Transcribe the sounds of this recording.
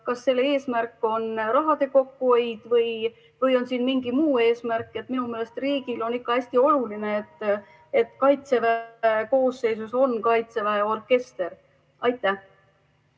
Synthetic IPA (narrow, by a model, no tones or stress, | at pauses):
kɑsːe̞lːee̞ːsmærkːˑo̞nrɑɦɑd̪̥e̞ko̞kːuejd̪̥vɤj | vɤjo̞nsiːnmiŋɡimuːe̞ːsmærkːˑe̞t̪ːˑminume̞le̞st̪riːɡ̥ilo̞nikːɑæsʲt̪io̞lulineet̪ː | e̞t̪ːˑkɑjt̪se̞væeko̞ːsːe̞js̬uso̞nkɑjt̪se̞væeo̞rke̞st̪e̞ɾ | ɑjt̪ːˑæh